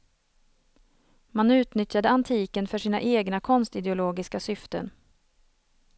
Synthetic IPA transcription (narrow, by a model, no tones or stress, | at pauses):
manʉ̟ːt̪nʏt̪jad̪əant̪ʰiːkənfœʂiːna̰ʔeːɡnakʰɔnst̪ɪd̪ɛʊloːɡɪskasʏft̪ə̰n